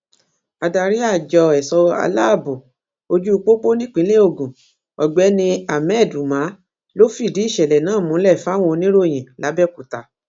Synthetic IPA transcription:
a˧da˧˨ɾi˦a˦˨d͡ʒɔ˧ɛ˨sɔ˧a̰˧la˦˨bo˨ | o˧d͡ʒu˦u˧k͡po˦k͡po˦nĩ˦k͡pĩ˨˦le˦o˧˨ɡũ˨ | ɔ˨ɡ͡bɛ˨˦nĩ˧a˨mɛ˦˨du˨mã˨˦ | lo˦fi˦˨di˨˦˨ʃɛ˨lɛ˨nãː˨˦˨mũ˨˦lɛ˦˨fa˦w̃õ˧nĩ˦ɾo˦˨j̃ɛ̃˨la˨˦bɛ˦˨ku˨ta˨

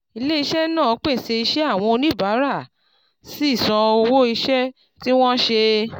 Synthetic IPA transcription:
i˧le˦i˧ʃɛ˦nãː˦˨˦k͡pe˦˨se˧i˧ʃɛ˦a˦˨w̃ɔ̃˧o˧nĩ˦˨ba˨˦ɾa˦˨ | si˦i˦˨sã˧o˧wo˦i˧ʃɛ˦ | ti˦w̃ɔ̃˦ʃe˧

